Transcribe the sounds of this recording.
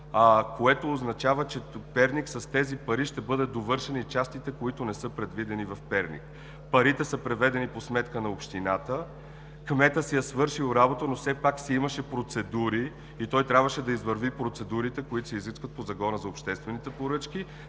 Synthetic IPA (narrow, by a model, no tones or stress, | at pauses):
koɛt̪oːznɐt͡ʃavət͡ʃɛpɛɾniksɐst̪ɛzipɐɾiʃt̪ɛbɤd̪ɛd̪ovɤɾʃɛnit͡ʃast̪it̪ɛkoit̪ʊnɛsɤpɾɛd̪vid̪ɛnivɐfpɛɾnḭk | pɐɾit̪ɛsəpɾɛvɛd̪ɛniposmɛt̪kənɐopʃt̪inat̪ə | kmɛt̪əsɛjɐsvɤɾʃilˠɾabot̪ənofsɛpaksɛimɐʃɛpɾot̪sɛd̪uɾiː | t̪ɔjt̪ɾʲabvəʃɛd̪ɐizvəɾvipɾot̪sɛd̪uɾit̪ɛkoit̪ʊsiziskvət̪̚pozɐɡɔnəzɐopʃt̪ɛst̪vɛnit̪ɛpoɾɤt͡ʃki